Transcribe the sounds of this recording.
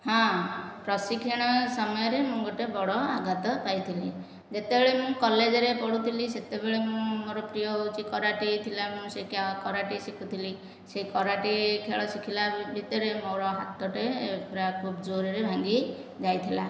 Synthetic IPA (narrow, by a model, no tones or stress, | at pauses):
hɔ̃pɾɔsikʰiɽ̃ɔsɔmɔjɔɾemũŋɡɔʈebɔɽɔaɡat̪ɔpajt̪ʰili | d͡ʒet̪ebeɭemũkɔled͡ʒɔɾepɔɽut̪ʰiliset̪ebeɭemũmoɾɔpɾijɔut͡ʃʰikɔɾaʈit̪ʰilamũsekakɔɾaʈisikʰut̪ʰili | sekɔɾaʈikʰeɭɔsikʰilabʱit̪ɔɾemoɾɔɦat̪ɔʈekʰɾakʰubd͡ʒoɾɔɾebʱãŋɡi | d͡ʒajt̪ʰila̰